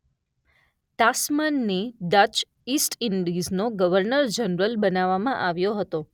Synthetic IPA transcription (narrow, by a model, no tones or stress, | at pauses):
t̪asmənːiɖət͡ʃ | isʈɪɳɖiznoɡəʋəɾnəɾd͡ʒənɾəlbənaʋːamãʔaʋjoɦət̪o